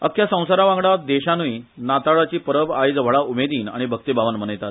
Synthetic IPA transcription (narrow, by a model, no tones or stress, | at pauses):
ə̰kʰːjasə̃w̃saɾaʋãŋɡɽad̪eɕanʋiːnat̪aɭat͡ɕiːpəɾəbajd͡zʋ̤ʱəɭaumed̪iːna̰ɽ̃ibʱək̚t̪ibaʋanmənəjt̪at̪